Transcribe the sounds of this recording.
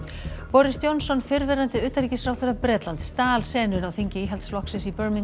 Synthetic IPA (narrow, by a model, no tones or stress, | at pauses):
pɔɾɪst̪jownsɔnfɪɾvɛɾant̪ɪʏːt̪aɾiːcɪsɾaːwθʏɾapɾɛːt̪lant̪st̪aːlsɛːnʏnawθiɲcɪiːɦɛlt̪sflɔhksɪsipœɾmiŋ